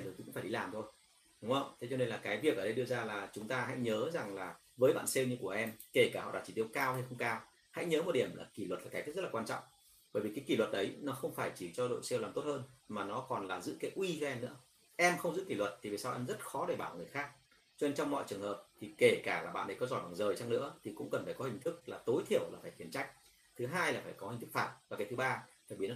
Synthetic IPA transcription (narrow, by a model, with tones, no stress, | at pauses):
k̪ʰːkŋ͡mfaː˧˩ɗi˨˧laː˨˩mt̪ʰo˧j | ɗʊ˨˦ŋə˧˨ʔt̪ʰe˨˦t͡ɕɔ˧ne˧nlaː˨˩kaː˨˦jvi˨˩ək̚ʔəː˧˩ɗə˧jɗɨ˧əzaː˧laː˨˩t͡ɕʊ˨˦ŋ͡mt̪aː˧ɦa̰˧˥jɲəː˨˦za˨˩ŋlaː˨˩ | vəː˨˦jɓa̰ː˧˨nse˧wɲɨ˧ku˧˩əʔɛ˧mke˧˩kaː˧˩hɔ̰˧˨ɗaː˧˩t͡ɕi˧˩t̪i˧əwkaː˧wha˧jxə˧wŋ͡mkaː˧w | ha̰˧˥jɲəː˨˦mo˨˩ɗi˧˩əmlaː˨˩ki˧˩lwə˨˩t̚laː˨˩aː˨˦j̪i˦˥ztlaː˨waː˧nt͡ɕɔ̰˧˨ŋ͡m | ɓəː˧˩vi˨˩kaː˨˦jki˧˩lwə˨˩t̚ʔə˨˦jnɔ˨˦xə˧wŋ͡mfaː˧˩jt͡ɕi˧˩t͡ɕɔ˧ɗo̰˧˨jsɛ˧waː˨˩mt̪o˦˥t̚həː˧nmaː˨˩nɔ˨˦kɔ˨˩nlaː˨˩zɨ̰˧˥kaː˨˦jʔwi˧kɛ˧mnɨ̰˧˥ə | ʔɛ˧mxə˧wŋ͡mzɨ̰˧˥ki˧˩lwə˨˩t̚t̪i˨˩ve˨˩saː˧wʔɛ̰˧nzə˦˥t̚xɔ˨˦ɗe˧˩ɓaː˧˩ŋɨ˨˩əjxaː˦˥k̚ | t͡ɕɔ˧ne˧nt͡ɕɔ˧wŋ͡mmɔ̰˧˨jt͡ɕɨ˨˩əŋhəː˨˩p̚t̪ʰi˨˩ke˧˩kaː˧˩laː˨˩ɓa̰ː˧˨nɗə˨˦jkɔ˨˦zɔ˧˩jɓa̰ː˨˩ŋzəː˨˩jt͡ɕaː˧ŋnɨ̰˧˥ət̪ʰi˨˩kʊ̰˧˥ŋ͡mkə˨˩nfaː˧˩jkɔ˦hï˨˩ŋ̟t̪ʰɨ˦˥k̚laː˨˩t̪o˨˦jt̪ʰi˧˩əwlaː˨˩faː˧˩jxi˨˩nt͡ɕa˦˥jk̟̚ | t̪ʰɨ˨˦ɦaː˧jlaː˨˩faː˧˩jkɔ˨˦hi˨˩ŋ̟t̪ɨ˦˥k̚fa̰ː˧˩mvaː˨˩ka˨˩t̪ʰɓaː˧t̪ʰa˨˩ɓi˨˩ə˦n